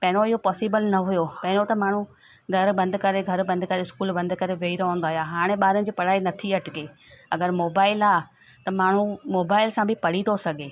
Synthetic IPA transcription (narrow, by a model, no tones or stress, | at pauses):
pɐ̃ɦɪ̃noɪɦopɔːsɪbəlnɐɦʊjopɐ̃ɦɪ̃ɽ̃ot̪ɐmaːɳ̤u | d̪ɐɾbɐ̃nd̪kɐɾeɡʱɐɾbɐ̃nd̪kɐɾeskuːlbɐ̃nd̪kɐɾeʋeiɾaɦʊ̃ːn̆d̪aːɦijaːɦaːɽ̃ẽɓaːɾənɪ̆d͡ʑiːpɐɽ̤aːinɐt̪ʰiɐʈɪɡeː | ɐɡəɾmoːbaːɪlaː | t̪ɐmaːɳ̤umoːbaːɪlsãbʱɪpɐɽ̤it̪osɐɡʱeː